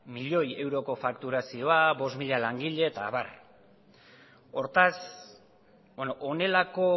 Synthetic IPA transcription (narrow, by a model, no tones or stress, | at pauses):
miʎo̞je̞wɾo̞ko̞fakt̪uɾasio̞abo̞smiʎalaŋɡiʎe̞t̪aːβa̰r | o̞ɾt̪as | benoʔone̞lako̞